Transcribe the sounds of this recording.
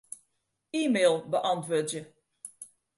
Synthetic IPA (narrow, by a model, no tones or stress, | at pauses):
iːmeːlˠbəʔɑntʋoːtjə